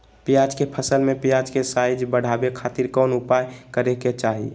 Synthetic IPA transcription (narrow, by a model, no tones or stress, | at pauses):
pijad͡ʒkepʰəsəlmẽpijad͡ʒkesaɪd͡ʒbəɽ̤abekʰat̪iɾkɔːnʊpajkəɾeket͡ʃaɦḭ